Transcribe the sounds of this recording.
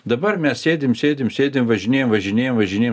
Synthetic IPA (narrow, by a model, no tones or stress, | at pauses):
d̪ɐbɐrmʲɛssʲeːd̪ʲɪmsʲeːd̪ʲɪmsʲeːd̪ʲemʋɐʒʲɪnʲeːjɛmʋɐʒʲɪnʲeːjomʋɐʒʲɪnʲeːj